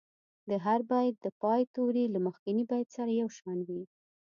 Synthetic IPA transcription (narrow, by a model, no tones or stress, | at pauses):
d̪əɦaɾbajd̪̚d̪əpɑjt̪owɾilaməxkɪnibajt̪saɾajawʃɑnwi